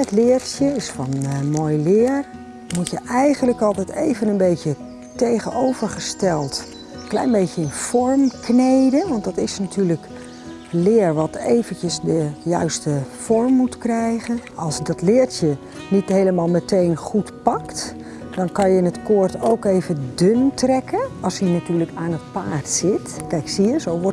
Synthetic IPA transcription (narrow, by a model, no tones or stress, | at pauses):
ətlɪːɹtjəɪsfɑnmoːjlɪːɹ | mutjəʔɛjχənləkɑlˠtɛjtejvənənbejtə | tejχənowv̥əɹχəstɛlˠt | klɛ̰jnbejcəɪnfɔɹmknejdənʋɑntdɑtɪsnatyːɹlək | lɪːɹʋɑtḛjvəncəsdəjœ̰ɥstəfɔɹmːutkrɛjχənɑlˠsdɑtlɪːɹtə | nitɦejləmaːlˠmətejnχutpɑkt | dɑnkɑnjəɪnətkʊːɹtowkejvədɵntrɛkəɑlˠsinatyːɹləkaːnətpaːɹtsɪtkɛjksiəzowʋɔ